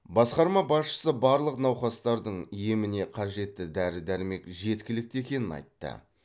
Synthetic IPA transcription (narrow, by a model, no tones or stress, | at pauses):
bɑsqɑɾmɑbɑsʃə̥səbɑɾlˠəqnɑwχɑst̪ɑɾd̪əɴijemɪne̞qʰɑʒe̞t̪ːɪd̪æɾɪd̪æɾme̞kʒe̞t̪kʲɪlɪk̚t̪e̞kʲe̞nɪnɑ̰jt̪ːə̰